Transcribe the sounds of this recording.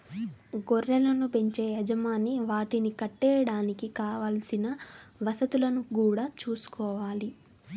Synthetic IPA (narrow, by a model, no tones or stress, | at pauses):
ɡoɾːɐlɐnupe̞ɲt͡ʃeːjɛd͡ʒɐmaːniʋaːʈinikɐʈːɛːjɐɽaːnikikaːʋaːlɐsinɐʋɐsɐt̪ulɐnukuːɽaːt͡ʃuːsu̥kɔːʋaːli